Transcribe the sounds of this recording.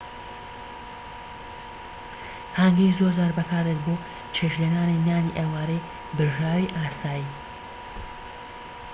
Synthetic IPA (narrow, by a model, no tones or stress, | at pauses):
haŋɡizoɾzaːɾbɐkʰaːɾet̪boː | t͡ʃʰeːʃlenaːninaːniʔewaːɾej | bɨɾʒaːwiːʔaːsaːji